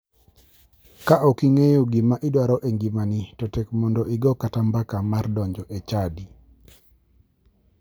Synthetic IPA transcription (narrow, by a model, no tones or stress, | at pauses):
kaʔɔkiŋejoɡimaʔidwaɾɔʔeŋɡimanitɔtɛkmɔndɔʔɪɡɔkatambakamardɔɲd͡ʒɔʔet͡ʃadi